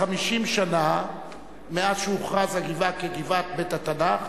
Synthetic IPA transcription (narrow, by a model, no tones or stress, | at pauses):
amiʃimʃana | meazʃeuχʁazaɡivakeɡivat̪̚betat̪anaχ